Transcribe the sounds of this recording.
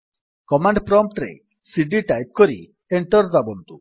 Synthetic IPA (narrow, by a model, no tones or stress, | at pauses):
kɔmaɳɖpɾɔmp̚ʈɾḛ | siɖiʈajp̚kɔɾḭ | eɳʈɔɾd̪abɔnt̪u